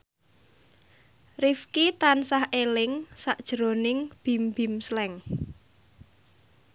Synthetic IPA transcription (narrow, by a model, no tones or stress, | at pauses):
rifkit̪ansahʔelɪŋsaʔd̥ʒ̥ɾonɪŋb̥i̤mbi̤mslɛŋ